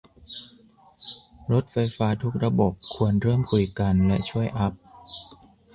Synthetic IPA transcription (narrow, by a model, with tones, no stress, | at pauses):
ɾo˦˥t̪̚fa˧jfaː˦˥t̪ʰu˦˥k̚ɾa˧bo˨˩p̚kʰu˧ənɾɯ˥˩əmkʰu˨˩jka˧nlɛ˦˥t͡ɕʰu˥˩əjʔa˦˥p̚